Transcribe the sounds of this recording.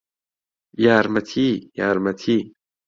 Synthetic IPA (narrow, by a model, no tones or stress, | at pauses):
jaːɾmɐt̪ʰijaːɾmɐt̪ʰiː